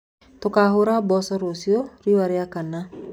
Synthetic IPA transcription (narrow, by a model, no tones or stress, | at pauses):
tokaɦoɾabɔsɔɾosioɾiwaɾeakana